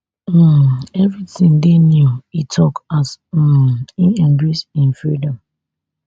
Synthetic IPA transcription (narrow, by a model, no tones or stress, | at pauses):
ɛvɹitĩŋdenjuitʰɔkas̩ | ĩnɛ̃mbisĩnfɹidɔ̃m